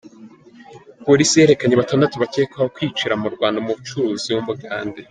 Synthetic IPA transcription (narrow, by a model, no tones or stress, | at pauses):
poɾisijeɾe̞kaɲeβatandatiβace̞ːkwahokwiːt͡ʃiɾamuɾɡwaːndamuβut͡ʃuɾuːziumbuɡaːnde